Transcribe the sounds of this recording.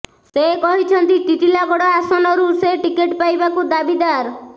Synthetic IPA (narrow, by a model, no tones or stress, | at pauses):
sekɔɦit͡ʃʰɔnt̪it̪iʈ̪ilaɡɔɽɔasɔnɔɾuseʈikeʈpajbakud̪abid̪aɾ